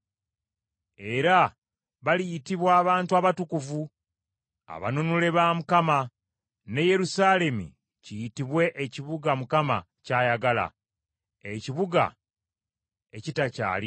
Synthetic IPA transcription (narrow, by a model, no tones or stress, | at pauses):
e̞ɾa | βalijitiβwaːβaːntuaβatukuvu | a̰βa̰nunule̞βaːmukama | ne̞je̞ɾusaːle̞mṵ | cijitiβwe̞ʔeciβuɡamukama̰ | caːjaɡala̰ | eciβuɡa̰ | ecitaca̰ːli